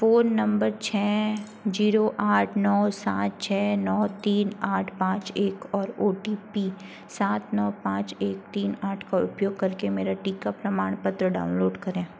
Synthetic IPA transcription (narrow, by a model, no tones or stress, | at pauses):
foːnːɐ̃mbəɾt͡ʃʰɛː | d͡ʒiːɾoʔaːʈʰnɔːsa̰ːt̪̚t͡ʃʰɛːnɔːt̪iːnaːʈʰpãːt͡ʃeːkɔːɾoːʈipiː | saːt̪nɔːpãːt͡ʃeːk̚t̪iːnaːʈʰkaʊ̰pjoːɡ̚kɐɾkemeːɾaʈiːkapɾɐmaːɽ̃pət̪ɾəɖa̰ːʊnloːɖkɐɾẽː